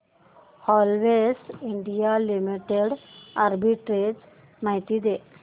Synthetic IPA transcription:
hɔlʋesiɳɖijalimiʈeɽaɾbiʈɾes | najt̪id̪e

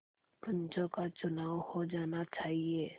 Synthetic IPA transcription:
kə̃ɲt͡ʃõkat͡ʃʊnaːwhod͡ʒaːnat͡ʃaːɦieː

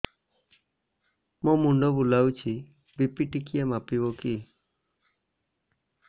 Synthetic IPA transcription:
momuɳɖɔbulawt͡ʃʰi | bipiʈikijamapiβɔki

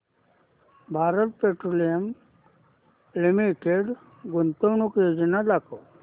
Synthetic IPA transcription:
bʱaːɾət̪̚peʈɾolijəm | limiʈeɖ | ɡunt̪əʋnukjod͡ʑinalakʰo

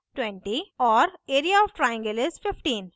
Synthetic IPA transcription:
ʈwɛ̃ɳʈiɔːɾeːɾiaɔːʋʈɾaɪjə̃ŋɡəlɪzfɪfʈĩːn

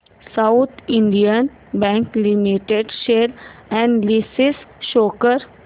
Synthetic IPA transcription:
saʊt̪ʰɪ̃ɳɖijən | bɛ̃ːŋklimiʈeɖʃeːɾɛ̃ɳɖlisɪsʃoːkəɾ

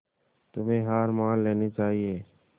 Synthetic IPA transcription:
t̪ʊmẽːɦaːɾmaːlːeːnet͡ʃaːɦieː

